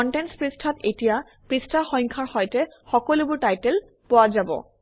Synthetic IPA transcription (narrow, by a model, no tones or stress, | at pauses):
ɔntɛnspɹistʰatetija | pɹistʰaxɔ̃jŋkʰaɹxɔjtɛ | xɔkɔlubʊɹtajtɛl | pɔwazabɔ̰